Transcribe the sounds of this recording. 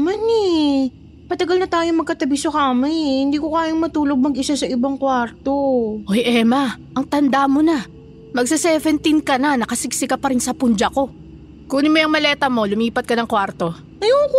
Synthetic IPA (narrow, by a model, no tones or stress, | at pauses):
mɐnɛ | mɐt̪ɐɡɐlnɐt̪aːjomɐɡ̚kɐt̪ɐbiːsokɐmajhɪnd̪iːkokaːjoŋmɐt̪uːlo̞ɡ̚mɐɡɪsasɐʔɪbaŋkwaɾt̪oʔojʔɛmɐʔɐŋt̪ɐnd̪amonɐ | mɐɡ̚sɪsɛːvɛnt̪inkɐnɐnɐkɐsɪksɪkɐpɐɾɪnsɐpʊnd͡ʒɐko̞ | kuːnɪmojɐŋmɐlɛːt̪ɐmo̞lʊmiːpɐt̪̚kɐnɐŋkwaɾt̪o̞ | ɐjoːk